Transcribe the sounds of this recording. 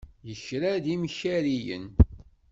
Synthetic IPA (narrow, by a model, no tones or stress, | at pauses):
jəçɾæðimçæɾijə̰n